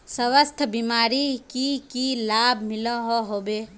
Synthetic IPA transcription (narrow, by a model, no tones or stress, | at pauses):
səʋəst̪ʰbiːmaːɾikikilaːbʱmɪloɦoɦoːbeː